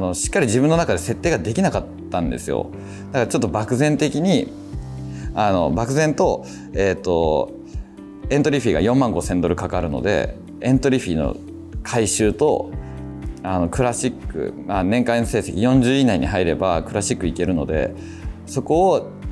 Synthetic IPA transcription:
ano̞ɕi̥kːaɾʲiʑibɯ̟nːo̞nakad̪e̞se̞t̪ːe̞ːɡad̪e̞kʲinakat̪ːãnd̪e̞̰sɨjo̰ | d̪̥akaɾat͡ɕo̞t̪ːo̞bakɯ̟zẽ̞nt̪e̞kʲiɲ̟i | ano̞̰bakɯ̟zẽ̞nt̪o̞ | et̪ːo̞ | ẽ̞nt̪oɾʲiɸʲiːɡa̰jõ̞mːãŋɡo̞sẽ̞nd̪o̞ɾɯ̟kakaɾɯ̟no̞̰d̪e̞̰ | ẽ̞nt̪o̞ɾʲiɸʲiːno̞̰ | kʰaiɕɨːt̪o̞̰ | ano̞kɯ̟ɾaɕikːɯ̟̰manẽ̞ŋkainose̞ːsekʲijõ̞ɲ̟d͡ʑɨːinaiɲ̟iɦaiɾe̞ba̰kɯ̟ɾaɕikːɯike̞ɾɯ̟no̞̰d̪e̞̰ | so̞ko̞ː

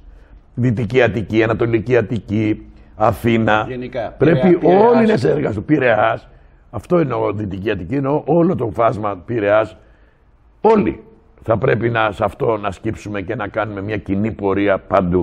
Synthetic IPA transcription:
ðit̪iciɐt̪iciɐnɐt̪o̞liciɐt̪ici | ɐθinɐpɾe̞piolines̬eɾɣɐst̪upiɾe̞ɐs | ɐft̪o̞ineoðit̪iciɐt̪iciineoʔolo̞t̪o̞fɐzmɐpiɾe̞ɐs | o̞lḭ | θɐpɾe̞pinɐsɐft̪o̞nɐscipsume̞ce̞nɐkɐnume̞mɲɐcinipo̞ɾiɐpɐnd̪u

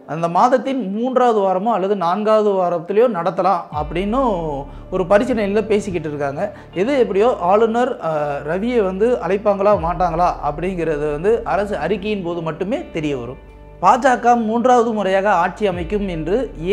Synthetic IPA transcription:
ɐnd̪ɐmaːðɐt̪ːɪnmuːndraːʋɐðɯʋaːɾɐmʊ̃ɐlːɐðɯnaːŋɡaːʋɐðɯʋaːɾɐt̪ːɪlɐjõːnɐɽɐt̪ːɐlãːɐpːɐɽɪnːɯ | ɔɾɯpɐɾɪt͡ʃːɐnɐjɪlːɐpeːsɪk̬ːɪʈːɯɾɯkːaːŋɡɐ | ɛðɯɛpːɐɽɪjoːʔaːɭɯnɐɾɾɐʋɪjɛʋɐnd̪ɯʔɐlɐɪpːaːŋɡɐɭãːmaːʈːaːŋɡɐɭaːʔɐpːɐɽɪŋɡɪɾɐðɯʋɐnd̪ɯʔɐɾɐsɯɐɾɪkːɐjɪnpoːðɯmɐʈːɯmeːt̪ɛɾɪjɐʋɐ̰ɾɯ̰̃m | paːd͡ʒaːkːaːmːuːndraːʋɐðɯmʊɾɐjaːɣɐaːʈ̚t͡ʃiɐmɐɪkːɯmɛndrɯ

